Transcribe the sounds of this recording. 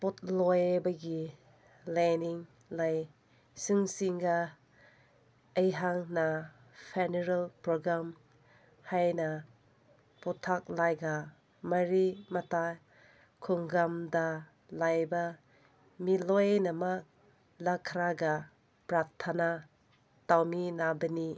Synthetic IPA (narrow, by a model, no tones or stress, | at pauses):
pɔt̚lɔjbɐɡi | laniŋ | laj | sɯŋsiŋɡa | ɐjɦaŋna | pʰeneɾalpɾoɡɾam | hajnɐ | pɔtʰak̚lajɡa | mɐɾimɐta | kʰuŋɡamdɐ | lajbɐ | milojnɐmak̚ | lakʰɾaɡa | pɾatʰana | tawminabɐni